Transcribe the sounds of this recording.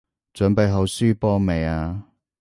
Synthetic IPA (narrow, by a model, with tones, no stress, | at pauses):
t͡sœ˨˥ŋpe˨˧jɦɐ˨˧wsyː˥pɔː˥me˨jaː˧